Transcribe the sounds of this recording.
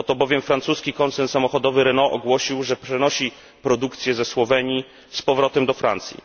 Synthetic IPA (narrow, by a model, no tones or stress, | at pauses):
ɔt̪ɔbɔvʲjɛmfɾant̪suskʲikɔnt̪sɛnt̪samɔxɔd̪ɔvɘɾɛnɔʔɔɡwɔɕiwʐɛpʂɛnɔɕi | pɾɔd̪ukt̪sʲjɛzɛswɔvɛɲi | spɔvɾɔt̪ɛmd̪ɔfɾa̰nt̪sʲjḭ